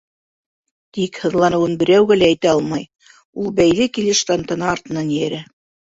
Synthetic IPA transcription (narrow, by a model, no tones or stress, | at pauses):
t̪ikhɤ̆ðlˠɑnɤ̆wɤnbɘ̆ɾæwɡælæːjt̪æɑlˠmɑj | ulˠbæjlɘkilɘʃt̪ɑnt̪ɑ̆nɑːɾt̪ɤ̆nɑnjæɾæ